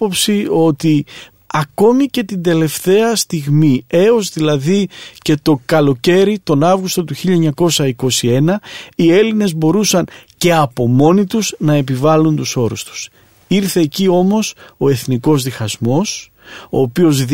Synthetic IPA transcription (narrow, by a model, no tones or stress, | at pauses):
opsio̞t̪i | ɐko̞mice̞t̪ind̪e̞le̞ft̪e̞ɐst̪iɣmie̞o̞zðilɐðice̞t̪o̞kɐlo̞ce̞ɾit̪o̞nɐvɣust̪o̞t̪uçiʎɐɲɐko̞sɐiko̞sie̞nɐie̞line̞zbo̞ɾusɐnce̞ɐpo̞mo̞nit̪uznɐe̞p̬ivɐlunt̪uso̞ɾṵst̪u̥s | iɾθe̞ːcio̞mo̞so̞e̞θniko̞zðixɐzmo̞s | o̞ːpio̞z